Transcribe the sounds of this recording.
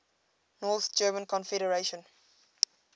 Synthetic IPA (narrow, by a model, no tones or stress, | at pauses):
nɔːθd͡ʒɜːmə̃nkʰɔ̃nfɛɾəɹeʃə̃n